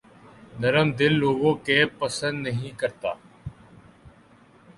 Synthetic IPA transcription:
nəɾəmd̪ɪlːoːɡõːkeːpəsə̃nd̪nəɦĩːkəɾt̪a̰ː

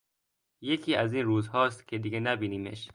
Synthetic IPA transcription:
jecʰiːæziːnɾuːzhɒːst̪cʰe̞d̪iɡenæbiːniːmḛʃ

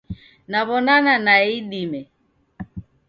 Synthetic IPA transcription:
naβɔnananaiɗimɛ

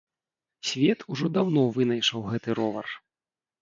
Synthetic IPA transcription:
sʲvʲɛt̪ʰuʐɔd̪awnɔvɨnɐjʂɐwɣɛt̪ɨɾɔvɐ̰r

